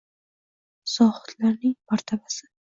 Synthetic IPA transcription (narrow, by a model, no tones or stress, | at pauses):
sɒʁʊ̥t̪laɾnɪŋmaɾt̪ʰabasɪ̥